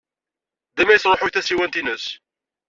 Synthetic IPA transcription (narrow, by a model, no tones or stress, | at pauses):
d̪æmæjəθɾˤoħoçθæsiwænt̪inəs